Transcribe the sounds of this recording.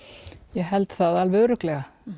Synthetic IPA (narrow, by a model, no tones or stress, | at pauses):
jɛɣɦɛlt̪θaðalvœɣɾʏklɛɣa